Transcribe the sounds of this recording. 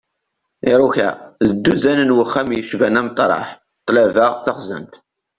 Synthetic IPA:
ɪɾˤuçæ̰ðəd̪ːuzænənwəχːæmjəʃvænæmt̪ˤɾˤɑ̰ħ | t̪ˤːlævəʁθɑχzə̰mt̪

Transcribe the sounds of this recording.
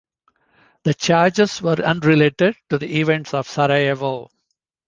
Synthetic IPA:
d̪̥ət͡ʃaːɾd͡ʒezʋəɾʌ̃nɾɪleːʈeɖ̚ʈud̪iiʋɛ̃ɳʈsɔʋsaɾajeʋo

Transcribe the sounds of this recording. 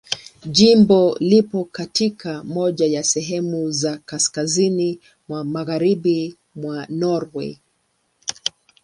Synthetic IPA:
ʄimbɔlipɔkatikʰamɔʄajasɛɦɛmuzakaskazini | mwamaɣaɾiɓi | mwanɔɾwɛ̰

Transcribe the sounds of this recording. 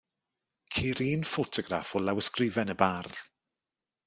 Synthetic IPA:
kʰiːɾiːnfotʰɔɡɾafɔlawəskrɪvɛnəbarð

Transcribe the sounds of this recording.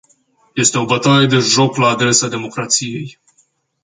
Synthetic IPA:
je̞st̪e̞o̞bət̪aɾe̞d̪e̞ʒo̞klaːd̪ɾe̞sad̪e̞mo̞kɾat̪sije̞j

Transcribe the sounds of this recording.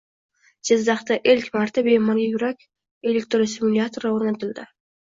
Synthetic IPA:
d͡ʒɪzd̪ɑχt̪aʔelʲkʲmɑɾt̪ʰabejmaɾɡʲajʊɾakʲ | elʲek̚t̪ɾsɪmulʲat̪oɾaoɾnat̪ɪlˠd̪ɪ

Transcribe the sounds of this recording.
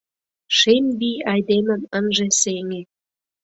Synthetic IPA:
ʃembijɑjd̪emə̆mənʒeseŋe

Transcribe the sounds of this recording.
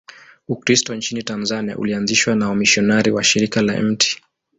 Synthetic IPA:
ukɾistɔnt͡ʃinitanzania̰ʔṵlianziʃwanaɔmiʃɔnaɾiwaʃiɾikala̰ɛ̰m̩tʰi̥

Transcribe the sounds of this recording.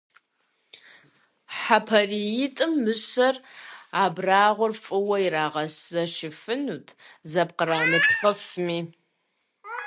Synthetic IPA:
ħapʰɐrijɪtʼɨmːɨɕɐraːbraːʁʷʊrfʼɨwɐjiraːʁɐszɐʃɪfɨnuːtʰzɐp̚qəraːmɨpχɐfmiː

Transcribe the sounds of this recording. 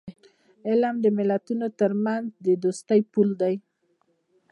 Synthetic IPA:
elamd̪emelat̪unot̪əɾmanzd̪ed̪ost̪ajpuld̪aj

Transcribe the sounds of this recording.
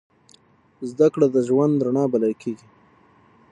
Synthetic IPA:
zd̪akɽad̪əʒwand̪ɾaɳɑbalalkʰeɡi

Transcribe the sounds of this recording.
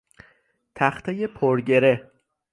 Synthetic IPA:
t̪ʰæxt̪ʰejepʰoɾɟe̞ɾe

